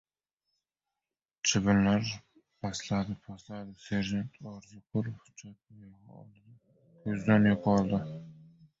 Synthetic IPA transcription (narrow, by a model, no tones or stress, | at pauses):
t͡ʃʰɪbɪnlaɾ | pʰaslad̪ɪpʰaslad̪ɪseɾʒant̪ʰɒɾzʊqʰʊɾhʊ̥d͡ʒat̪̚jɑʁɒ̰lˠd̪ɪ | kʲʰɵzd̪anjoqʰɒlˠd̪ɪ